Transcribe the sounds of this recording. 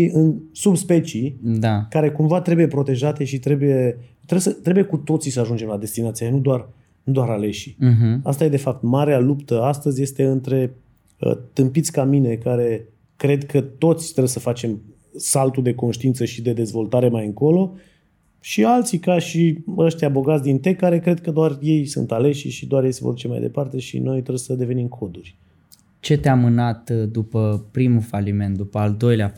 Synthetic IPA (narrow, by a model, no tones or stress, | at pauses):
iɨnsubspe̞t͡ʃid̪akaɾe̞kumvat̪ɾe̞buje̞pɾo̞t̪e̞ʒat̪e̞ʃit̪ɾe̞buje̞t̪ɾebsət̪ɾe̞buje̞kut̪o̞t̪sisəaʒund͡ʒe̞mlad̪e̞st̪inat̪sijanud̪oar | nud̪oaɾale̞ʃi̥ɦ̩ast̪ajed̪e̞fap̚t̪maɾealupt̪əast̪əzʲje̞st̪e̞ɨnt̪ɾe̞ | ə̰t̪ɨmpit̪sʲkamine̞kaɾe̞ | kɾe̞d̪kʰət̪o̞t̪sʲt̪ɾebjsəfat͡ʃe̞m | salt̪ud̪e̞ko̞nʃt̪iint̪səʃid̪e̞d̪e̞zvo̞lt̪aɾe̞majɨŋko̞lo̞ | ʃialt̪sikaʃiəʃt̪jabo̞ɡat̪sʲd̪int̪e̞kaɾe̞kɾe̞d̪̚kəd̪oarje̞jsɨ̰nt̪ale̞ʃiʃid̪oaɾjejsevorut͡ʃemajd̪e̞̰part̪e̞ʃḭno̞jt̪ɾebjsəd̪e̞ve̞nimkʰo̞d̪urʲ | t͡ʃe̞t̪eamɨnat̪d̪upəpɾimufalime̞nt̪̚d̪upəald̪o̞jlea